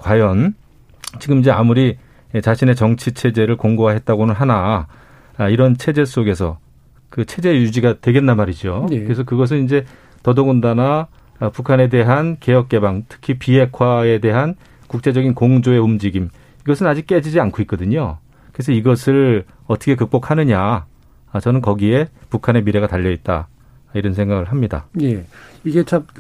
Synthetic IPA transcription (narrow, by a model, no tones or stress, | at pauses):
kwajʌn | t͡ɕiɡɯmid͡ʑe̞amuɾi | t͡ɕaɕʰine̞t͡ɕʌŋt͡ɕʰit͡ɕʰe̞d͡ʑe̞ɾɯɭkoŋɡoɦaɦe̞t̚t͈aɡonɯnɦana | iɾʌnt͡ɕʰe̞d͡ʑe̞s͈oɡe̞sʰʌ̰ | kɯt͡ɕʰe̞d͡ʑe̞jud͡ʑiɡatwe̞ɡe̞nːamaɾid͡ʑokɯɾes̬ʰʌkɯɡʌs̬ʰɯnind͡ʑe̞ | tʌdoŋundana | pukʰane̞de̞ɦanke̞jʌk̚k͈e̞baŋtʰɯ̥kʰipiɦe̞kʰwae̞de̞ɦan | kuk̚t͡ɕ͈e̞d͡ʑʌɡinkoŋd͡ʑoe̞umd͡ʑiɡim | iɡʌsʰɯnad͡ʑik̚k͈e̞d͡ʑid͡ʑiankʰoit̚k͈ʌdɯɲo | kɯɾe̞s̬ʰʌiɡʌsʰɯɭ | ʌtʰʌkʰekɯk̚p͈okʰanɯɲa | t͡ɕʌnɯnkʌɡie̞pukʰane̞miɾe̞ɡataʎːʌit̚t͈a̰ | iɾʌnsʰe̞ŋɡaɡɯɭɦamɲida̰jeiɡet͡ɕam